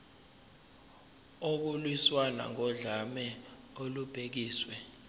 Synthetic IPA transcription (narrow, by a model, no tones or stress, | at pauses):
ok̬ulwiswana̰ŋɔɮamɛ | olub̥ʱek̬iːswɛ